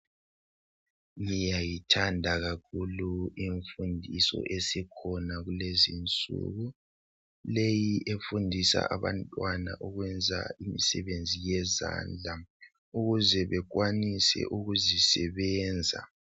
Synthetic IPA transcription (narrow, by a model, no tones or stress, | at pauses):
ŋijajitʰandʱaɣakʰuluiɱfundʱisɔ̰ʔesikʰɔnaɣulezint͡sʼṵɣu | lejiʔefundʱisa̰ʔaβantʼwana̰ʔɔɣwɛnd͡zʱa̰imisɛβend͡zʱijɛza̰ːnd͡ɮʱa | uɣuzɛβɛɣwanisɛ̰ʔuɣuzisɛβɛːnd͡zʱa̰